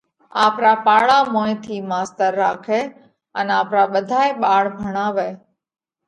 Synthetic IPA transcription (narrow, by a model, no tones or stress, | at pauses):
aːpɾaːpaːɭaːmõːẽt̪ʰiːmaːst̪əɾːaːkʰeː | ənaːpɾaːɓəd̪ʱaːeɓaːɽbʱəɽ̃ãːʋeː